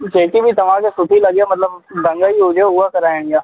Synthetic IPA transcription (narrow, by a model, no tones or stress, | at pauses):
d͡ʒeːkibʱit̪ɐʋ̤ãːkesʊt̪ʰilɐɡjamɐt̪ləbd̪ə̃ŋɡaiɦod͡ʒeɦʊakəɾaːjẽŋjaː